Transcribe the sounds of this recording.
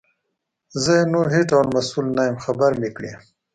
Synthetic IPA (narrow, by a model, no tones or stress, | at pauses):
zəjenuɾɦeʈawɽmasulnajəmxabaɾlikɽḭ